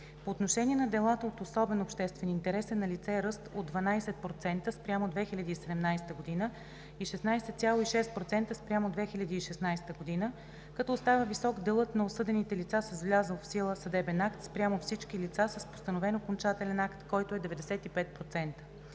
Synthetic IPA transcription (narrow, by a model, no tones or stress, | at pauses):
poːt̪noʃɛniɛnɐd̪ɛlˠat̪əot̪osɔbɛnopʃt̪ɛst̪vɛniːnt̪ɛɾɛsɛnɐlit̪sɛɾɤst̪od̪vɐnajsɛt̪̚pɾot̪sɛnt̪əspɾʲamod̪vɛxilʲɐd̪iːsɛd̪ɛmnajsɛ̥t̪əɡod̪inə | iʃɛsnajsɛt̪sʲjalˠoiʃɛst̪̚pɾot̪sɛnt̪əspɾʲamod̪vɛxilʲɐd̪iːʃɛsnajst̪əɡod̪inə | kɐt̪ɔʊst̪avəvisɔɡd̪ɛlˠət̪nɐosɤd̪ɛnit̪ɛlit̪sasɛzvlʲazəlˠfsilˠəsɐd̪ɛbɛnakt̪spɾʲamofsit͡ʃkilit̪sasəspo̥st̪ənovɛnokont͡ʃat̪ɛlɛnakt̪kɔjt̪oɛd̪ɛvɛd̪ɛsɛt̪ipɛt̪̚pɾot̪sɛnt̪ə̥